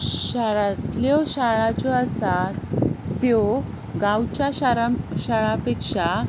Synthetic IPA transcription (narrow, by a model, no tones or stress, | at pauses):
ɕaɾat̪ljɔɕaɭat͡sɔasa | t̪ɔ | ɡãwt͡ɕjaɕaɾaɕaɭapekʂa